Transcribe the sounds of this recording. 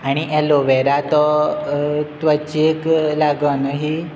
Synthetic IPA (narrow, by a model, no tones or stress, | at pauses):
aɽ̃iʔɛloʋɛɾat̪ɔ | t̪ʋət͡ɕieklaɡənɦi